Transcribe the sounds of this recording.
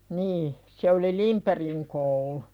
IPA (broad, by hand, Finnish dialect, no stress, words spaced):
niː se oli limperiŋ koulu